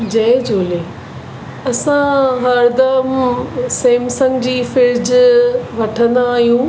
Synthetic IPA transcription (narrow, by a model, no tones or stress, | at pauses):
d͡ʑɐːd͡ʑoːle | ɐsãɦɐɾd̪ɐəmseːmsə̃ŋɡd͡ʑiːfɪɾd͡ʑʋɐʈʰə̃nd̪aːɦijũ